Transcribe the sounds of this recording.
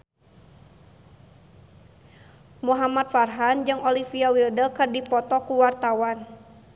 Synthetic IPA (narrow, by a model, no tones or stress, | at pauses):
muɦamat̪̚farɦand͡ʒɨŋɔlifiawildəkɨrdipɔt̪ɔkuwart̪awan